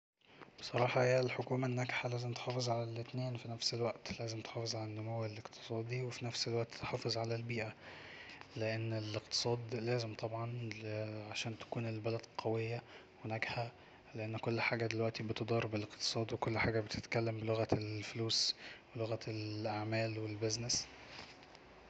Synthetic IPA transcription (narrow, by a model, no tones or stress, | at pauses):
besˤɑɾˤɑːħɑhejælħokuːmænːæɡħalæːzemt̪e̥ħɑːfezˤʕalælet̪neːnfinæfselwæʔt̪læːzemt̪ħɑːfezˤʕalænːomoweleqt̪ʰe̥sˤɑːd̪ˤiwefinæfselwæʔt̪t̪ːħɑːfezˤʕalælbiːʔæ | leʔenːeleqt̪ɨ̥sˤɑːd̪læːzemt̪ˤɑbʕɑn | ʕaʃæːnt̪æ̥kuːnelbælæd̪qʰɑwejːæ | wenæɡhæ | leʔenːkolːħaːɡæd̪elwæʔt̪ibet̪od̪ˤɑɾˤbeleqt̪ɨ̥sˤɑːd̪wekolːħaːɡæbet̪e̥t̪kælːæmbeloɣæelfluːsweloɣælʔaʕmæːlwelbeznes